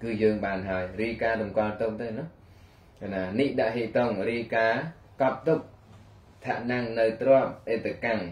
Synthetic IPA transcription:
kɨːjəːŋɓaːnɦaəjriəkaːɗ̪umkɔlt̪ʊk̚t̪ɨnʊ | kʰanaːniʔɗaʔɦeːt̪oŋriəkaː | kɑp̚t̪uk̚ | t̪ʰaʔnaŋnɨwt̪rŏəp̚ʔeːt̪ʰːekaŋ

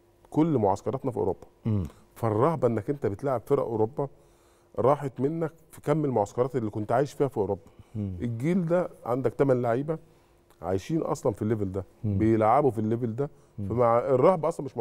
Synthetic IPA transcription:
kolːmoʕɑskɑɾˤɑt̪nɑfiʔo̰ɾobːɑ̥ | færˤːɑhbɑʔenːækʔent̪æbet̪laʕeb̥feɾæ̰ʔoɾobːɑ | ɾˤɑːħet̪menːækfikæmːelmoʕɑskɑɾˤɑːt̪elːiːkont̪ʕaːjeʃfiːhæfiʔoɾobːɑ̥ʔeɡiːld̪æʕand̪ækt̪æmænlaʕiːbæ | ʕa̰jʃiːnʔɑ̰sˤlɑnfilːebeld̪æbejelʕabufilːebeld̪æ | fæmaerˤːɑhbɑʔɑsˤlɑmeʃm

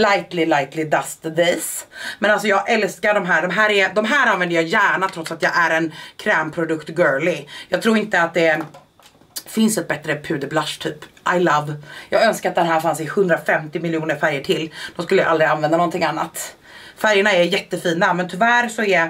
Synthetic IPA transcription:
lajt̪lɪlajt̪lɪd̪ast̪d̪esmɛnalsɔjɑːɡʔɛlskaɖɔmɦæːɖɔmɦæːɾɛd̪ɔmɦæːɾanvɛnd̪əjɑːjæːɳat̪ʰɾɔt̪sat̪jɑːɡʔæɾɛnkʰɾɛːmpʰɾʊd̪ɵkt̪ɡøːɭɪjɑːɡ̚t̪ʰɾuːɾɪnt̪əat̪̚d̪ɛ | fɪnsɛt̪̚bɛt̪ɾəpʰʉ̟ːd̪əblaʂt̪ʰyːpʔajlavjɑːɡœnskaɾat̪̚d̪ɛnɦæːɾfansɪhɵnd̪ɾafɛmt̪ɪmɪljuːnəɾfæɾjəʈʰɪlːd̪̥ɔmskɵlːəja̰ʔald̪ɾɪanvɛnd̪anɔnt̪ʰɪŋanːa̰t̪ | fæɾjəɳaɛɾjɛt̪ːəfiːnamɛnt̪ʰɵvæːɾsɔɛ

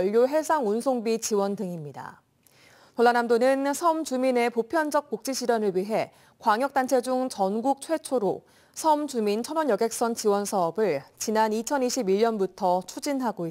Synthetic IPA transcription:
ʎːoɦe̞sʰaŋunsʰoŋbit͡ɕiwʌndɯŋimɲida̰ | toɭːanamdonɯnsʰʌmt͡ɕumine̞popʰjʌnd͡ʑʌk̚p͈ok̚t͡ɕ͈iɕʰiɾjʌnɯɭɥiɦe̞ | kwaŋjʌk̚t͈ant͡ɕʰe̞d͡ʑuŋt͡ɕʌnɡuk̚t͡ɕʰwe̞t͡ɕʰoɾo | sʰʌmd͡ʑumint͡ɕʰʌnwʌnjʌɡe̞k̚s͈ʌnt͡ɕiwʌnsʰaʌbɯɭt͡ɕinanit͡ɕʰʌniɕʰibiʎɲʌnbutʰʌt͡ɕʰud͡ʑinɦaɡoi

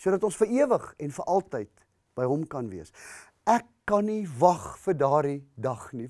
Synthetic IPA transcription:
suədɐtɔ̃nsfəɾiəvəχɛnfəɾʔɐlˠtəjt | b̥əjɦɔmkɐnviəs | ækːɐnivɐχfərdɑːɾidɐχni

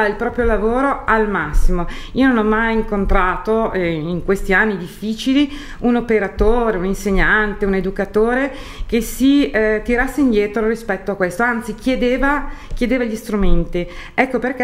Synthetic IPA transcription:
ilpɾɔːpɾjolavoːɾoalmasːimoiːononɔmːajiŋkont̪ɾaːt̪oiŋkwest̪ianːid̪ifːiːt͡ʃili | unopeɾat̪oːɾeuninseɲːant̪euned̪ukat̪oːɾekesit̪iɾasːeind̪jɛːt̪ɾorispɛt̪ːoakːwest̪oant̪sik̟jed̪eːvakjed̪eːvaʎist̪ɾument̪iɛkːoperk̟

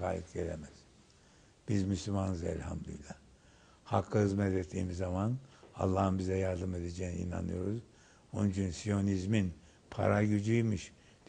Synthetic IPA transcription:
a̰ːjɯt̪ɟelʲḛmɛz̥ | b̥izmyslʲymannɯzɛ̰lʲha̰mlʲḭjlʲɛ | hakʰːɯɯzmɛt̪ʰet̪ʰːḭːmizːamana̰lˠːaːhɯmbizɛjaɾd̪ɯme̞d̪ed͡ʒejniḭna̰nɯjo̞ɾuz | ond͡ʒʰynsijo̞nizmin | pʰa̰ɾaɟyd͡ʒyjmɯʃ | d̪

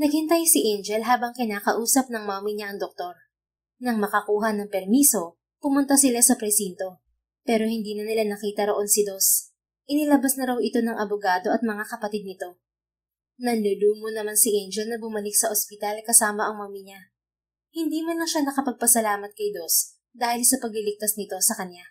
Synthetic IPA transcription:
nɐɡhɪnt̪ajosɪʔɛnd͡ʒɛlɦaːbɐŋkɪnaːkɐʔuːsɐp̚nɐŋmaːmɪɲaʔɐŋd̪ok̚t̪o̞ɾ | nɐŋmɐkɐkuːɦɐnɐŋpɛɾmiːso̞ | pʊmʊnt̪asɪlasɐpɾɛsint̪o̞ | pɛːɾo̞hɪnd̪iːnɐnɪlanɐkiːt̪ɐɾo̞ʔo̞nsɪd̪o̞s | ʔɪnɪlɐbasnɐɾɐwɪt̪o̞nɐŋʔɐbʊɡaːd̪o̞ʔɐt̪̚mɐŋakɐpɐt̪ɪd̪̚nɪt̪o̞ | nɐnlʊluːmonɐmansɪʔɛnd͡ʒɛlnɐbʊmɐlɪksɐʔospɪt̪alkɐsaːmɐʔɐŋmaːmɪɲa | hɪnd̪iːmɐnlɐŋʃanɐkɐpɐɡ̚pɐsɐlaːmɐt̪̚kɐjd̪o̞s | d̪aːhɪlsɐpɐɡ̚lɪlɪk̚t̪asnɪt̪o̞sɐkɐnja

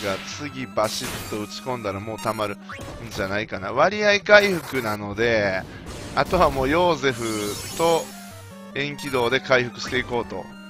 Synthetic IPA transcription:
ɡat͡sɨɡʲibaɕit̪ːo̞ɯ̟t͡si̥kõ̞nd̪aɾamo̞ːt̪amaɾɯ̟ | ɲd͡ʑanaikana̰β̞aɾʲiaikaiɸɯ̟kɯ̟nano̞d̪e̞ | at̪o̞βamo̞ːjo̞ːse̞ɸɯ̟t̪o̞ | ẽ̞ŋkʲid̪o̞ːd̪e̞kaiɸɯ̟kɯ̟ɕi̥t̪e̞iko̞ːt̪o̞̰

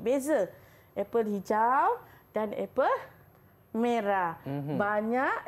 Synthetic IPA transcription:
bezə | ʔɛpəlhid͡ʒawdanɛ̰pəl | mẽɾabaɲaʔ

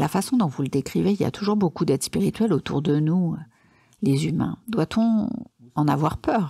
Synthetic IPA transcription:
lafasɔ̃d̪ɔ̃vuləd̪ekχiveilja̰t̪ʰuʒuʁbokud̪ɛd̪spiʁit̪ɥɛlot̪ṵʁd̪ənuø | lezymɛ̰̃d̪wat̪ʰɔ̃ɑ̃na̰vwaʁpœːʁ

